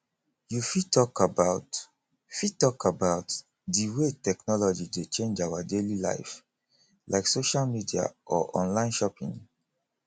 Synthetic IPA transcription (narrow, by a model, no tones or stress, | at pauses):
jufitɔkabaʊt | fitɔkabaʊt | diwetɛknɔlɔd͡ʒidet͡ʃẽnd͡ʒawadelila̰ɪf | lʔaɪksoʃalmidia̰ʔɔʔɔ̰̃nlãɪ̃nʃɔpḭ̃ŋ